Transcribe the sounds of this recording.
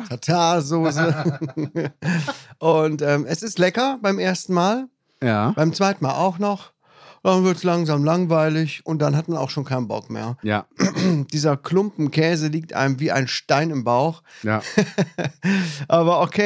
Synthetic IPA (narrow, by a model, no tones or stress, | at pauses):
tʰatʰaːzoːzə | ʔʊntʔɛːmɛsɪstlɛkɐbaɪmʔeːɐstn̩maːl | jaːb̥aɪmt͡sv̥aɪtn̩maːlaʊxnɔχ | d̥anvɪɐtslaŋzaːmlaŋvaɪlɪçʔʊnt̚d̥anɦatmana̰ʊxʃoːnkʰaɪnənbɔ̰kmḛːɐ | d̥iːzɐkl̥ʊmpm̩kʰɛːzəliːk̚tʔa̰ɪmviːʔa̰ɪnʃtaɪnɪmbaʊx | ʔaːβɐokʰeː